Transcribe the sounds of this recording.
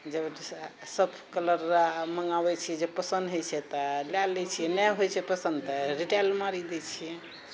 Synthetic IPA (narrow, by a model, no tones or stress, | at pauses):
d͡ʒəb | səb | kələɾaməŋɡabɛt͡ʃʰijɛd͡ʒepəsənd̪ɦot͡ʃʰɛt̪ɔlalːɛt͡ʃʰijɛnɛɦojt͡ʃʰɛpəsənd̪t̪əɾiʈɛlmaɾid̪ɛt͡ʃʰijɛ